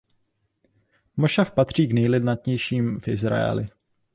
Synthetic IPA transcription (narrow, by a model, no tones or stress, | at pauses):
moʃafpat̪r̝̥iːɡnɛjlɪdnat̪ɲɛjʃiːmfʔɪzɾa̰ɛ̰lɪ̰